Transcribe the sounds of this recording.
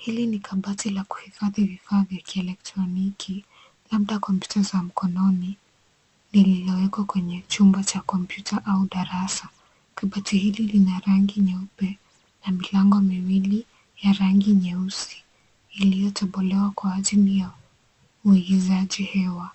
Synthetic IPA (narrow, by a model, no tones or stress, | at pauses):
hilinikaɓatilaku̥hifaðivifaðjakʰiɛlɛk̚tɾɔnikʰi | laɓɗakɔmpjutazam̩kɔnɔni | nililiwɛkwakwɛɲɛt͡ʃumbat͡ʃakɔmpjutʰaʔauɗaɾasa | kaɓatihililinaɾaŋɡiɲɛupɛ | namilaŋɡɔmiwili | jaɾaŋɡiɲɛusi̥ː | lijɔtɛɓɔlɛwakwaːʄilija | uiɡizaʄihɛwa